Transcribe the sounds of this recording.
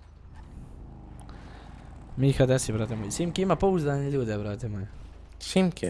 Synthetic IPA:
miːxad̪ɛsibɾat̪emojesimkiimapouzd̪aːneʎʲuːd̪ɛbɾaːt̪emojɛ | simkʰi

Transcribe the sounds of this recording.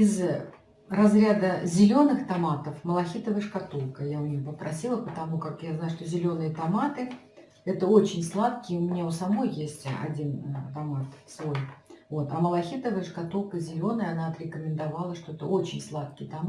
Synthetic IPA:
ɪz | rɐzɾʲad̪əzʲɪlʲo̞nɨxt̪ɐmat̪əfməlˠɐxʲit̪əvəəʂkat̪ulˠkəjaʊmpəpɾɐsʲilˠəpət̪ɐmukakjaznajʊʂt̪o̞zʲɪlʲo̞nɨjət̪ɐmat̪ɨ | ɛt̪əo̞t͡ɕɪnʲslˠat̪̚kʲɪjʊmʲɪnʲaʊsɐmo̞jːesʲtʲɐ̰dʲint̪ɐmat̪svojvo̞t̪ɐməlˠɐxʲit̪əvəjəʂkɐt̪ulˠkəzʲɪlʲo̞nəjəɐnaɐt̪ɾʲɪkəmʲɪnd̪ɐvalˠəʂt̪o̞ɛt̪əo̞t͡ɕɪnʲslˠat̪̚kʲɪjt̪ɐm

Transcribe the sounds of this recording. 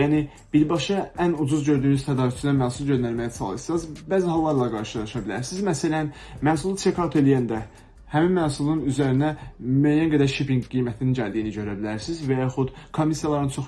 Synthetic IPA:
jæːni | b̥iɾbɑʃɑænud͡ʒuzɟø̞ɾd̪yːnyzt̪ʰæd̪ɑːvyst͡ʃ̪ʰinæmæːsulˠɟø̞nd̪æɾmæjæsʰɑ̰lˠɯɾsɑzbæːziɦɑlˠːɑɾlˠɑɡɑɾʃɯlˠɑʃɑbilæ̰ɾsizmæsælæn | mænsulˠut͡ʃʰekʰɑɾt̪ʰe̞lijænd̪æ | hæminmæːsulˠunyzæɾinæmæːjænɡæd̪æɾʃipiŋɡijmæt̪ʰininɟæld̪ijiniɟø̞ɾæbilæɾsizvæjɑxut̪kʰo̞misijɑlˠɑɾɯnt͡ʃʰo̞

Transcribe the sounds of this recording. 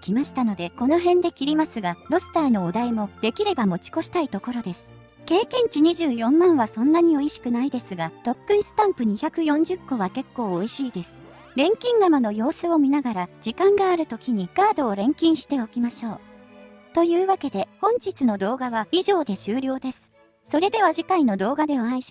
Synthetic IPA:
kʲimaɕi̥t̪ano̞d̪e̞ko̞no̞ɦẽ̞nd̪e̞kʲiɾʲimasɨɡaɾo̞sɨ̥t̪aino̞ːd̪aimo̞d̪e̞kʲiɾe̞bamo̞t͡ɕi̥ko̞ɕi̥t̪ait̪o̞ko̞ɾo̞d̪e̞sɨ̥ | ke̞ːkẽ̞ɲ̟t͡ɕiɲ̟iʑɨːjõ̞mːãɰ̃βasõ̞nːaɲ̟io̞iɕi̥kɯ̟naid̪e̞sɨɡat̪o̞kːɯ̟ĩsɨ̥t̪ãmpɯ̟ɲ̟içakɯ̟jõ̞ɲ̟d͡ʑɨkːo̞β̞ake̞kːo̞ːoiɕiːd̪e̞sɨ̥ | ɾẽ̞ŋkʲĩŋɡamano̞jo̞ːsɨo̞mʲinaɡaɾad͡ʑ̥ikãŋɡaːɾɯ̟t̪o̞kʲiɲ̟iɡaːd̪o̞ːɾẽ̞ŋkʲĩɰ̃ɕi̥t̪e̞o̞kʲimaɕo̞ː | t̪o̞jɯ̟ːβake̞d̪e̞hõ̞ɲ̟d͡ʑit͡sɨno̞d̪o̞ːɡaβaiʑo̞ːd̪e̞ɕɨːɾʲjo̞ːd̪e̞sɨ̥ | so̞ɾe̞d̪e̞β̞aʑikaino̞d̪o̞ːɡad̪e̞oaiɕi̥

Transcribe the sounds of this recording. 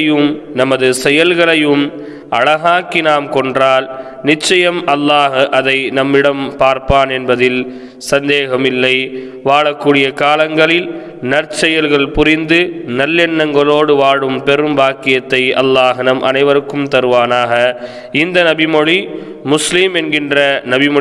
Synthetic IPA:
ɐjɯmnɐmɐðɯsɛjɐlɣɐɭɐjɯm | ɐɭɐɣaːkɪnaːmkɔɳdraːl | nɪt͡ʃːɐjɐmɐlːaːɣʔɐðɐɪnɐmːɪɽɐmpaːɾpaːnɛnbɐðɪl | sɐnd̪eːɣɐmɪlːɐɪ | ʋaːɭɐkːuːɽɪjɐkaːlɐŋɡɐɭɪl | nɐrt͡ʃɛjɐlɣɐɭpʊrɪnd̪ɯnɐlːɛɳːɐŋɡɐɭoːɽɯʋaːɽɯmpɛɾɯmbaːkɪjɐt̪ːɐɪʔɐ̰lːaːɣnɐmʔɐ̰nɐɪʋɐɾɯkːɯmt̪ɐɾɯʋaːnaːɣɐ | ɪnd̪ɐnɐbɪmɔɻi | mʊslɪmɛnɡɪndrɐnɐbɪ

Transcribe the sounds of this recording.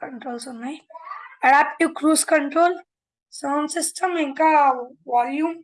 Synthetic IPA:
kəɳʈɾoːlsonajɐɽapʈukɾuskəɳʈɾoːl | səmsisʈʰəmẽŋkaʋɔljum

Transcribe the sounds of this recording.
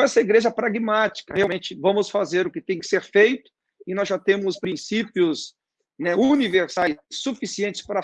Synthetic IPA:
ɛsɐiɡɾeʒɐpɾaɡmat͡ʃi̥kɐheawmẽt͡ʃɪvɐ̃mʊsfazeɾʊkɪt̪ẽj̃kɪ̥seɾfejt̪ʊ̥ | ɪnɔzʒat̪ẽmʊzʊspɾĩsipiʊs | nɛuniveɾsajssufisiẽnt͡ʃɪ̥spaɾɐ

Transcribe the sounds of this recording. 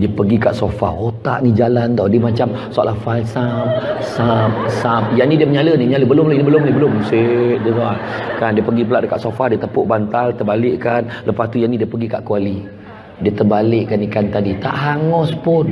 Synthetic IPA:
diəpəɡikaʔsofa̰ot̪a̰ʔnid͡ʒalant̪adimat͡ʃam | sa̰ʔlahfalsamsam̚sap̚jaʔnidiəməɲaləniməɲaləbəlʊmlainibəlʊmnibəlʊmsedət̪oakandiəpəɡipəlaʔdəka̰ʔsofadiət̪əpʊʔbant̪alt̪ərbalɪʔkanləpast̪ujanidiəpəɡikaʔkuali | diət̪ərbalɪʔkanikant̪adit̪a̰ʔɦaŋɔspʊn

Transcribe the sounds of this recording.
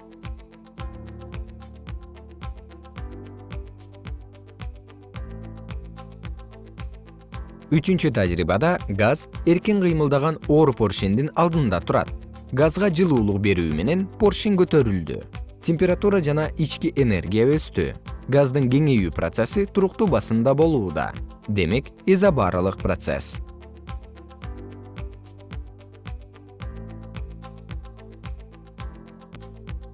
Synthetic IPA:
yt͡ʃynt͡ʃyt̪ʰad͡ʒɾḭːbɑd̪ɑɡaze̞ɾkiŋqʰɯjmɯlˠd̪ɑʁɑno̞ːɾpʰo̞rʃind̪inɑlˠd̪ɯnnd̪ɑt̪ʰuɾɑ̰t̪̚ | ɡazʁɑd͡ʒɯlˠuːlˠuq̚be̞ɾyːme̞ne̞npo̞rʃiŋɡøt̪ø̞ɾyld̪y̰tʲemʲpʲeɾat̪uɾɑd͡ʒɑnɑʔit͡ʃkiʔene̞̰rɡʲijaøst̪y̰ɡazd̪ɯŋɡʲe̞ŋe̞jyːprot̪se̞sit̪ʰuɾuqt̪uːbɑsɯnd̪ɑbo̞lˠuːd̪ɑ̰d̪e̞me̞kezabɑɾɑlˠɯq̚prot̪se̞̰s

